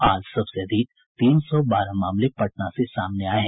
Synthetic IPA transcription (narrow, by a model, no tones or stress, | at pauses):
aːd͡ʒsɐbsed̪iːk̚ | t̪iːnsɔbaːɾamaːmlepɐʈnãsesaːmneaːeɦɛ̃